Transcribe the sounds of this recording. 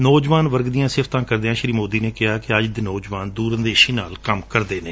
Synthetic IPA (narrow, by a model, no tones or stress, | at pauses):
nɔːd͡ʒʋaːnʋəɾɡd̪ijãːsɪft̪ãːkəɾd̪eːãːʃəɾiːmoːd̪iːneːkɪɦaːkɪəd͡ʒd̪eːnɔːd͡ʒʋaːnd̪uːɾənd̪eːʃiːnaːlkəmkəɾd̪eːneː